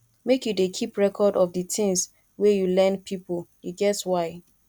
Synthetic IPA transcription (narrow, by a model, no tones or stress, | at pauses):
mekjudekʰipɹɛkʰɔdɔfdətʰĩŋs | wɛjulɛ̃npʰipoljiɡɛswaɪ